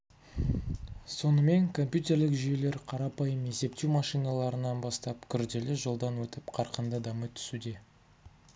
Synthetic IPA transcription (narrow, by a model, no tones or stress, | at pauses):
so̞nəme̞ŋkʰo̞mpʲjut̪ʲe̞ɾlɪkʒije̞le̞ɾqʰɑɾɑpɑjəmje̞se̞pt̪ewmɑʃijnɑlˠɑɾənɑnbɑst̪ɑp̚kʲʰʏɾd̪e̞lɪʒolˠd̪ɑnwɵt̪ɪpqʰɑɾqənd̪əd̪ɑmət̪ʰʏ̥sud̪e̞